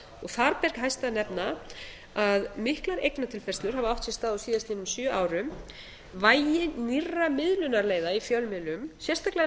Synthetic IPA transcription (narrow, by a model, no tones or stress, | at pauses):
ɔɣθaɾpɛɾkɦajst̪anɛpna | aðmɪhklaɾejknat̪ʰɪlfɛrst̪lʏɾ̥havaawht̪sɛst̪aːðɔsiːðast̪iɛnːʏmsjœʔaːwɾʏm | vaːjɪnirːamɪðlʏnaɾleːjðaifjœlmɪlʏmsjɛr̥st̪akla